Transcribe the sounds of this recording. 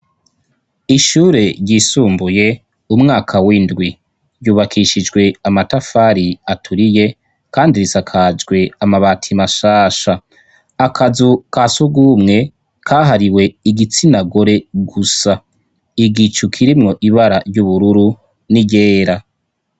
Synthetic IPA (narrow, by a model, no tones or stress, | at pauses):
iʃuːɾe̞ɾɟisuːmbuje̞ | umŋaːkʰawindɡwi | ɾjuːβakʰiʃid͡ʒɡwe̞amatafaɾiatʰuɾije̞ | kaːndiɾisakʰad͡ʒɡwe̞amaβaːtʰimaʃaːʃaː | kʰazukasuɡumŋe̞ | kʰaːɦaɾiwe̞iɡit͡sinaɡo̞ɾe̞ɡusa | iɡit͡ʃukʰiɾimŋo̞ʔiβaɾaɾɟuβuɾuɾu | niɟeːɾa